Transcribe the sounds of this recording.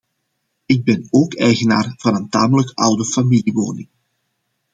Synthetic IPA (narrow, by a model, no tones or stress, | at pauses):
ɪɡ̚bɛnoːkɛjɣəna̰ːrv̥ɑnənta̰ːmələkʔʌwdəfamiliʋo̰ːnɪ̰ŋ